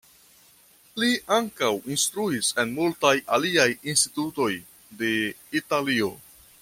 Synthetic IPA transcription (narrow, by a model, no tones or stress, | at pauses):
liʔaŋkawinst̪ɾuise̞nmultajaliajinstituto̞j | de̞ | italio̞